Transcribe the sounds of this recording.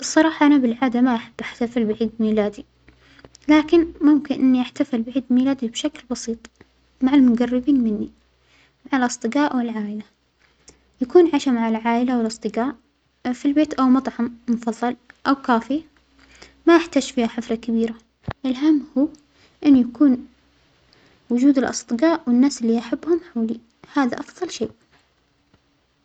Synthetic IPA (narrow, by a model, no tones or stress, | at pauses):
ɨsˤːɑɾˤɑːħɑʔanabɪlʕaːd̪amaʔaħab̥ːʔaħt̪afɪlbɪʕiːd̪miːlaːd̪i | laːkɪnmʊmkɪnʔɪnːiʔaħt̪afɪlbɪʕiːd̪miːlaːd̪ibʃaklbɑsiːt̪ˤ | maʕalmʊɡarːɪbiːnmɪnːi | maʕalʔɑsˤd̪ˤɨɡaːʔwɪlʕaːʔɪla | jakuːnʕaʃamaʕalʕaːʔɪlawɪlʔɑsˤd̪ˤɨɡaːʔ | filbeːt̪ʔawmɑt̪ˤʕɑmmʊfɑðˤːɑlʔawkaːfɪja | majaħt̪aːd͡ʒfiːhaħɪflakabiːɾa | ʔɪlɦamːhuː | ʔɪnːjakuːn | wʊd͡ʒuːd̪ɪlʔɑ̰sˤd̪ˤɨɡaːʔwɪnːaːsɪlːiʔaħabːhʊmħoːli | haːða̰ʔɑfðˤɑlʃḛːʔ